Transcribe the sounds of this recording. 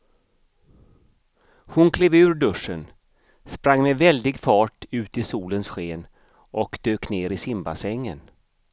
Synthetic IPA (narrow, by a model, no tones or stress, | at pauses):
hʊnkʰleːvʉ̟ːɾɖɵʂən | spɾaŋːmɛvɛld̪ɪɡfɑːʈʉ̟ːt̪ɪsuːlənsɧeːn | ʔɔkd̪̥øːkneːɾɪsɪmba̰sɛŋːə̰n